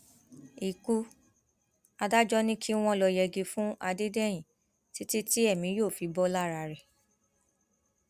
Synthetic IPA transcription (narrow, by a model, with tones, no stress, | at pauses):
i˨ku˧ | a˧da˦d͡ʒɔ˦nĩ˦kʰi˦w̃ɔ̃˦˧lɔ˧jɛ˧ɡe˧fũ˦a˧de˦dɛ˦˨j̃ĩ˨ | ti˨˦ti˦ti˦ɛ˦˨mĩ˨˦jo˦˨fi˨bɔ˦la˦ɾa˧ɾɛ˨